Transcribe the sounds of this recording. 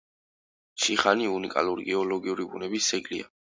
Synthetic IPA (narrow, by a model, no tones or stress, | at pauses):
ʃiχaniunikʼa̰luɾiɡɛɔlɔɡiuɾibunɛbisːɛɡlia̰